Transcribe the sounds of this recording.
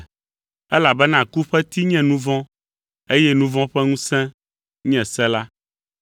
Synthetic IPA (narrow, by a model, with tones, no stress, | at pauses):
ɛ˦la˨bɛ˦nã˨ku˦ɸɛ˦t̪i˦ɲɛ̃˦˨nũ˦vɔ̃˦ | e˦jɛ˦nũ˦vɔ̃˦ɸɛ˦ŋũ˦sɛ̃˦ | ɲɛ̃˨sɛ̃˦la˦